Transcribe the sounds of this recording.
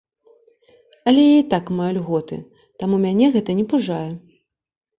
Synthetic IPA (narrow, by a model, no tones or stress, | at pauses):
ɐlʲɛjait̪akmajulʲɣɔt̪ɨ̰ | t̪amumʲanʲɛɣɛt̪ɐnʲɛpuʐajɛ